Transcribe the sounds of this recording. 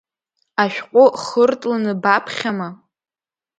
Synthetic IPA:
aʃᶣqʷʼʊχərtʼlanɨbapʰχʲama

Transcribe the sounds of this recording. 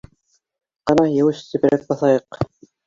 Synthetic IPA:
qɑnɑjɘ̆wɘʃsɘ̆pɘ̆ɾæk̚bɑθɑjɤq

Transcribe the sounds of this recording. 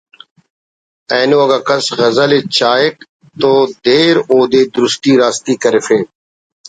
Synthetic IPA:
ɛːnoːɐɡɐkɐsɣɐzəlet͡ʃaːek | t̪oːd̪eːɾoːd̪eːd̪ʊɾʊst̪iːɾaːst̪iːkəɾefeː

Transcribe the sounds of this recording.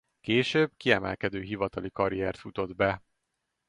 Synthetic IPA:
keːʃøːbkiɛmɛ̰lkɛd̪øːɦivɒt̪ɒlikɒɾiɛrt̪fut̪o̞d̪bɛ

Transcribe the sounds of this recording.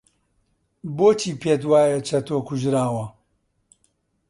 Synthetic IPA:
boːt͡ʃʰiːpʰeːt̪waːjɐt͡ʃʰɐt̪ʰoːkuʒɾaːwɐ

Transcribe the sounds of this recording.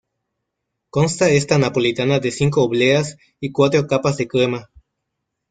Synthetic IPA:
konst̪aest̪anapo̞lit̪anaðesiŋk̬oːβleas | ikwat̪ɾokapazðekema

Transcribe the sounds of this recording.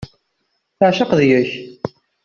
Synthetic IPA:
θəʕʃəqðjəç

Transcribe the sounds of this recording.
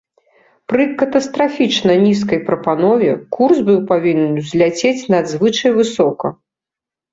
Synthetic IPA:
pɾɨkɐt̪ɐst̪ɾafʲit͡ʂnɐnʲiskɐjpɾɐpanɔvʲɛkʰursbɨwpavʲinʲɛnzʲlʲat͡sʲet͡sʲnɐd̪zvɨt͡ʂɐjvɨsɔkɐ

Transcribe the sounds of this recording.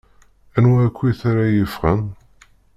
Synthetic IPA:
ænwækʷːiθaɾajəfʁə̰n

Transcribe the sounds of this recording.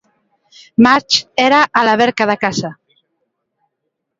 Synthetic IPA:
maɾt͡ʃeɾaʔːlaβɛɾkaðakasa

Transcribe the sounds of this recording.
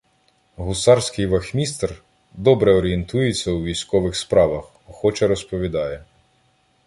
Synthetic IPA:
ɦʊsɑɾsʲkɪjʋɐxmʲist̪r | d̪ɔbɾɛɔɾʲient̪ujet͡sʲːɐwʋʲijsʲkɔʋɪxspɾɑʋɐx | xɔt͡ʃɛɾɔspɔʋʲid̪ɑjɛ

